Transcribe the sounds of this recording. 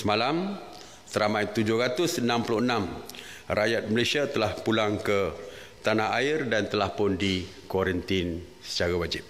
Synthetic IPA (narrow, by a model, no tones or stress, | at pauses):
səmalam | səɾamãjt̪ud͡ʒʊhɾat̪ʊsənãmpulʊənam | rajat̪̚məlasiat̪əlahpulaŋkə | t̪anaɦaɪrdant̪əlahpʊndikɔɾənt̪ɪn | sə̥t͡ʃaɾawad͡ʒɪp̚